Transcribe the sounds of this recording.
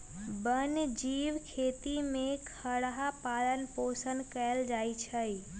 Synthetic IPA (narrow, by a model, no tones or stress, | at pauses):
bənd͡ʒiːʋkʰeːt̪imẽkʰəɽɦapaːlənpoːsənkɛld͡ʒaːit͡ʃʰəi